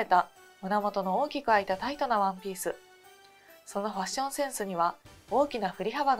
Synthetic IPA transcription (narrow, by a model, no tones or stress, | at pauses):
e̞t̪a | mɯ̟namo̞t̪o̞no̞oːkʲikɯ̟ait̪at̪ait̪o̞naβãmpʲiːsɨ | so̞no̞ɸaɕõ̞ɰ̃sẽ̞ɰ̃sɨɲ̟iβao̞ːkʲinaɸɯ̟ɾʲihaβaɡ